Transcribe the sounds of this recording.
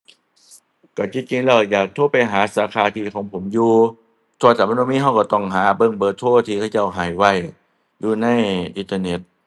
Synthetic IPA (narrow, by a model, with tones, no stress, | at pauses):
kɔ˧˩t͡ɕi˧˥t͡ɕi˧ŋlɛː˧˩wjaː˨˩k̚t̪ʰoː˧˥˩pa˧˨jɦaː˨˦saː˨˦kʰaː˧˦t̪ʰiː˧˩kʰɔː˨˦ŋpʰo˩˦mjuː˧ | t̪ʰu˧˨t̪ʰaː˨˧˩ma˧˨noː˧miː˧˥˨ɦa˧˩wkɔ˧˩t̪ɔ˧˩ŋɦaː˨˩˦bɤ˧˨ŋbɤː˧˩t̪ʰoː˧˩t̪ʰiː˧˩kʰa˧˩wt͡ɕa˧˩wɦaː˨˦jwa˧˩j | juː˧na˧˥˨jʔi˧˦t̪aː˧ne˧˩t̪̚